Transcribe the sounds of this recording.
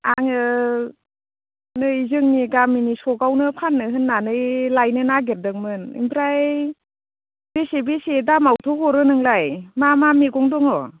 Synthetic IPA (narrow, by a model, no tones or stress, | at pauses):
aŋɯ | nɯizɯŋniɡaminisɔɡawnɯpʰanːɯɦɯnːanɯjlajnɯnaɡeɾdɯk̚mɯnḭmbɾaj | besebesedamawtʰɔɡɔɾɯnɯŋlajmamameɡɔŋdɔŋɔ